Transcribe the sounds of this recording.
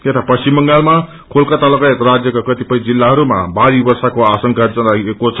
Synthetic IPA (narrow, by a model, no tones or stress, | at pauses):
et̪ʰapʌst͡simbʌŋɡalma | kʰolkat̪alokaet̪ɾad͡zjʌkakʌt̪ipʌjd͡zilːaɦʌɾuma̰baɾibʌrsakoasʌŋkad͡zʌnaekot͡sʰʌ